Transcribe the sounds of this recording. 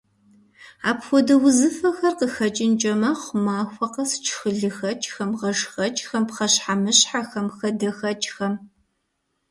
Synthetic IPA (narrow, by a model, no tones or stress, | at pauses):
a̰ːpxʷɔdɐwʊzɨfɐxɐrqəxɐt͡ʃʼɪnt͡ʃʼɐmɐχʷʊmaːxʷɐqɐst͡ʃʰxɨɮɨxɐt͡ʃʼxɐmʁɐʂxɐt͡ʃʼxɐmpχɐɕħamɨɕħaxɐmxɐdɐxɐt͡ʃʼxɐm